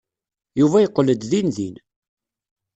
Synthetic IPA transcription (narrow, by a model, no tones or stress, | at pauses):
juvæjəqːləd̪ðinðin